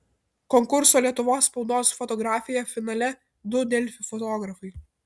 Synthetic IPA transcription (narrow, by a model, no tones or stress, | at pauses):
kɔŋkʊɾsoːlʲiɛt̪ʊʋoːsːpɔʊd̪oːsfɔt̪ɔɡɾaːfʲɪjɛfʲɪnɐlʲɛ | d̪ʊd̪ʲɛlʲfʲɪfɔt̪ɔːɡɾɐfɐɪ